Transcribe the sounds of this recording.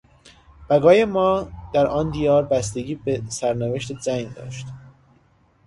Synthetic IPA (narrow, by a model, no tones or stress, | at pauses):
b̥æɡɒːjemɒːd̪̥æɾʔɒːnd̪iːjɒːɾbæst̪eɡiːbesæɾneveʃt̪ʰed͡ʒæŋɡd̪ɒ̰ːʃt̪